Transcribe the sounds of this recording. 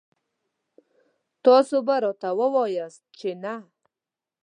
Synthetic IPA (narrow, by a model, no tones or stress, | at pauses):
t̪ɔsobaɾot̪awəwɔjast̪̚t͡ʃena